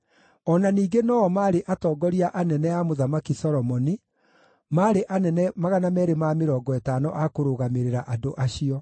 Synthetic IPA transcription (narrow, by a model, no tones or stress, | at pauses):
ɔnaniːɡenɔɔmaːɾeʔatɔːɡɔɾiaʔanɛnɛamoðamakisɔɾɔmɔni | maːɾeʔanɛnɛmaɣanamɛːɾemameɾɔːɡɔetaːnɔ̰ʔakoɾoɣameɾeɾaʔado̰ʔaɕiɔ